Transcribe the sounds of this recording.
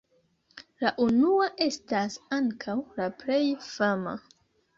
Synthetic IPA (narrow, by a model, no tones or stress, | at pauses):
laʔunuaʔe̞stasaŋkʰawlaple̞jfama̰